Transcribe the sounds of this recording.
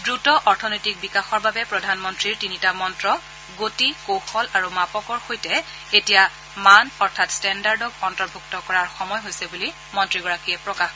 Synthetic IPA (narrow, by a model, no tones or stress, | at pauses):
dɹutɔʔɔɹtʰɔnojtik̚bikaxɔɹbabɛpɹɔdʱanmɔntɹiɹtinitamɔntɹɔ | ɡotikowxɔlaɹumapɔkɔɹxojtɛ | etija | manɔɹtʰatstɛndaɹdɔkɔntɔɹbʱuktɔkɔɹaɹxɔmɔjɦojsɛbuli | mɔntɹiɡɔɹakijɛpɹɔkax